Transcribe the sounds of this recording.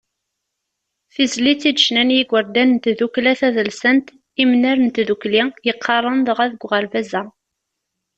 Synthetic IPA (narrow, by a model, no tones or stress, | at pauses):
θizlit͡sːid̪əʃnænjiɡʷəɾd̪ænnt̪ðuklæθæðəlsənt̪ | imnæɾənt̪ðuklijəqʰːɑrˤənðˤʁæðəɡʷʁəɾvæzæ